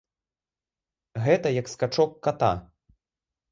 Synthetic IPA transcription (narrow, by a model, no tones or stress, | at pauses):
ɣɛt̪ɐjɐkskat͡ʂɔkːat̪a̰